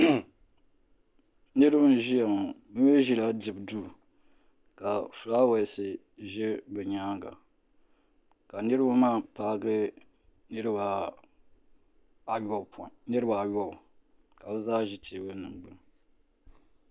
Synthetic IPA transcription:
nɨ˦ɾɨ˦bʒi˦ja˨ma˨bɨ˦m˦ɛ˦ʒi˦la˦dɨ˨bduː˦˨ | ka˨fʊ˨ɾa˦wa˨sɨ˨ | ʒɛ˦bɛ˨ɲaː˦ɡa̰˨ | ka˨nɨ˦ɾɨ˦ba˦maː˦paː˦ɡɨ˦ | nɨ˦ɾɨ˦ba˨ | ɔ˦˨pɔ˨nɨ˦ɾɨ˦ba˨jɔ˦b | ka˨bɨ˦zaː˦ʒɪ˦tʰe˦bɨ˦nɨ˨ŋɡ͡bɨ˦ŋ

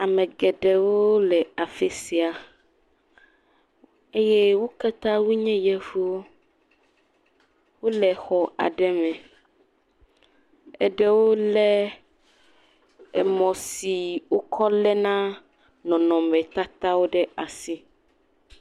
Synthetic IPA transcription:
a˨mɛ̃˨ɡɛ˨ɖɛ˨wo˦lɛ˨a˨fɛ˦si˨a˨ | e˦jɛ˦wo˦ka˦t̪a˦wu˦ɲɛ̃˦jɛ˦vu˦wo˦ | wo˦lɛ˨xɔ˨ʔa̰˨ɖɛ˦mɛ̃˨ | ɛ̰˨ɖɛ˦wo˦lɛ˦ | ɛ̰˨mɔ̃˨si˨wo˦kʰɔ˦lɛ˦nã˦ | nɔ̃˨nɔ̃˨mɛ̃˨t̪a˦t̪a˦wo˦ɖɛ˦a˨si˦

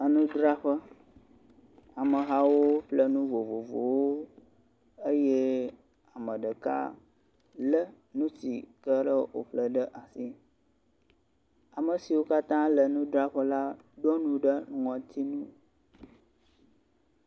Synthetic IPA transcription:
ə˨nũ˦d̪ɾa˦ɸə˦ | a˨mə˨ɦa˦wo˦ɸlə˦nũ˦vo˨vo˨vo̰˨wo˦ | ə˦jɛ˦ | a˨mə̃˨ɖə˨ka̰˦ | lə˦ | nũ˦sḭ˨kə˦ɖə˦wo̰˨ɸlə˦ɖə˦ʔa˨si˦ | a˨mə˨si˨wo˦ka˦t̪ã˦lə˨nũ˦dɾa˦ɸə˦la˦ | ɖɔ˦nũ˦ɖə˦n˨ɔ̃˨t̪ʰi˦nũ˦

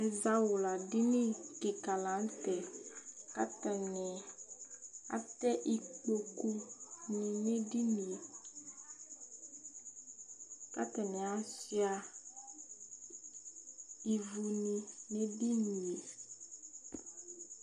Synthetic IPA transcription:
za˦wʊ˨la˨dɪ˦nĩ˦kɪ˨ka˨lã˨˦n̩˦tɛ˨ka˦tɛ˨nɛ˨ | a̰˦tɛ˦ʔi˦k͡po˨ku˦nĩ˨ne˦di˦ni˨e˨ | ka̰˦tɛ˨nɛ̃˨a˦si˦a˨ | i˨vu˨nĩ˨ne˦di˦ni˨e˨

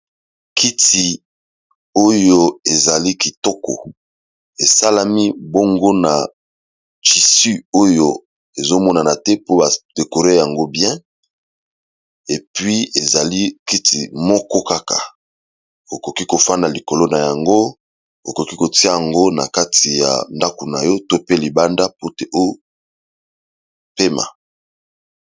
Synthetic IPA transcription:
kʰi˦ti˨ | o˦jo˦e˨za˨li˦ki˨tɔ˦kɔ̰˨ | e˨sa˦la˦mi˦bo˦ŋɡo˦na˨ | t͡ʃi˨sy˦o˦jo˦ | e˨zo˦mɔ˦na˨na˨tɛ˦po˦ba˨d̥e˨ko˨ʁe˦ja˨ŋɡo˦bjɛ̃˦ | e˨pɥi˦e˨za˨li˦ki˦tḭ˨mɔ˦kɔ˦ka˦ka̰˨ | o˨ko˨ki˦ko˨fa˦nda˨li˨ko˨lo˦na˨ja˨ŋɡo˦ | o˨ko˨ki˦ko˨ti˦a˦ja˨ŋɡo˦na̰˨ka˦ti˨ja̰˨nda˦ku˨na̰˨jɔ˦to˦pe˦li˨ba˦nda˦po˦te˦ʔo˦jo˦ | pe˦ma̰˨

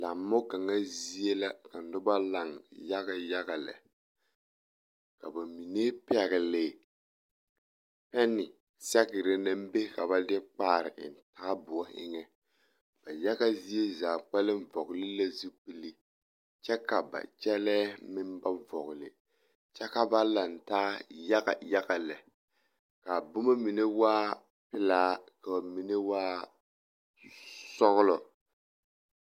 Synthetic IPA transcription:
la˨m˦mːʊ˦ɡa˨ŋa˦zi˦e˦la˦ka˨n̩˨dʊ˦ba˦la˨ŋja˦ɣa˨ja˦ɡa˨lɛ̰˨ | ka˨ba˨mi˨neː˦pɛ˨ɣɪ˨leː˦˨ | pɛ˦nɪ˨ | sɛ˦ɣɪ˨ɾɪ˦na˦m˦be˦ka˨ba˦dɪ˦k͡paː˦˨ɾɪ̰˨ʔɪ̰˨n˨taː˦bʊ˨a˦ɪ̰˦ŋɛ˦ | b̥a˨ja˦ɡa˦zi˦e˦za˨k͡pɛ˦lɪ˦ɱ˦vɔ˨ɣlɪ˦la˦zu˦k͡pɨ˨li˦ | t͡ʃɛ˦ka˨ba̰˨t͡ʃɛ˦lɛː˦mɪ˦nba˦vɔ˨ɣʊ˨lɪ̰˨ | t͡ʃɛ˦ka˦ba˦la˨n˨taː˦ja˦ɡa̰˨ja˦ɣa˨lɛ˨ | ka˨bʊ˦ma˦mi˨ne˦waː˦ | pɪ˦laː˦ka˨mi˨ne˦waː˦ | sɔ˦ɣʊ˦lɔ˨

